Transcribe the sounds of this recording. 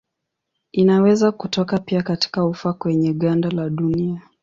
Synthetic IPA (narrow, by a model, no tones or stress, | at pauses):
inawɛzakutɔkapiakati̥kaufakwɛɲɛɠandalaɗunia